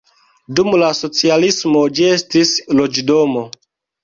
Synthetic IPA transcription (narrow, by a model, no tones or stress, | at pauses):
dumlaso̞t͡sialismo̞d͡ʒie̞stislo̞d͡ʒdo̞mo